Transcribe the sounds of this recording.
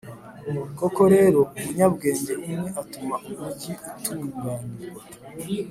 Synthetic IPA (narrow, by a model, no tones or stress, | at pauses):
muɾkokoɾe̞ːɾo̞umuɲabɡe̞ːɲɟeʔimŋe̞ʔatumakumuɟiutʰuːŋɡaːniɾe